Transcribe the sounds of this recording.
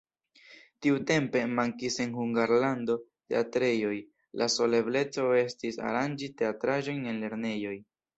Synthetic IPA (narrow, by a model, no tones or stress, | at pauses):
tiute̞mpe̞maŋkise̞nhuŋɡaɾlando̞te̞̰atɾe̞jo̞j | lʔa̰so̞le̞ble̞t͡so̞e̞stisa̰ɾand͡ʒite̞atɾaʒo̞jne̞nle̞ɾne̞jo̞j